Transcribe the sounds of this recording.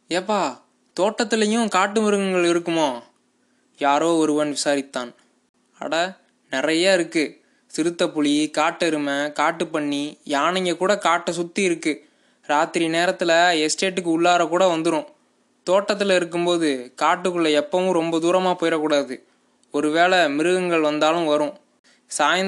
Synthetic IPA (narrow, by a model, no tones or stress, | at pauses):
eːpːaː | t̪oːʈːɐt̪ːɪlɐjʊ̃kaːʈːɯmɐɾɯɣɐŋɡɐɭɪɾɯkːɯmoː | jaːɾoːɔɾɯʋɐnʋɪsaːɾɪt̪ːaːn | ɐ̰ɽɐ | nɪrɐjaːɪɾɯkːɯ | sɪɾɯt̪ːɐpʊɭikaːʈːɛɾɯmɐkaːʈːɯpɐɳːijaːɳɐŋɡɐkuːɽɐkaːʈːɐsʊt̪ːiɪɾɯkːɯ | ɾaːt̪ɪɾineːɾɐt̪ːɪlɐɛsʈeːʈːɯkːɯʊɭːaːɾɐkuːɽɐʋɐnd̪ɯɾʊ̃ | t̪oːʈːɐt̪ːɯlɐɪɾɯk̬ːɯmpoːðɯkaːʈːɯkːɯɭːɐɛpːɐʋɯ̃ɾɔmbɐd̪uːɾɐmaːpɔːjɪɾɐkːuːɽaːðɯ | ɔɾɯʋeːlɛmɪɾɯɣɐŋɡɐɭʋɐnd̪aːlɯ̃mʋɐɾʊ̃ | saːjɐ